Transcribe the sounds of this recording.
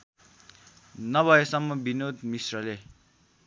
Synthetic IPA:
nʌbʱʌesʌmːʌbinod̪misrʌle

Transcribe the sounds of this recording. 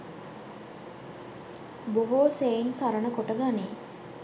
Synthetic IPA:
boɦoːseinsaɾənəkoʈəɡaneː

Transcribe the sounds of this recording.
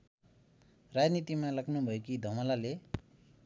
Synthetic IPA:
rad͡znit̪imalʌɡnubʱʌekid̪ʱʌmʌlale

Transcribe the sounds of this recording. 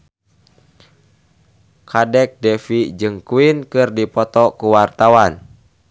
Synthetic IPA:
kʰadɛk̚dɛfid͡ʒɨŋkuinkɨrdipɔt̪ɔkuwart̪awan

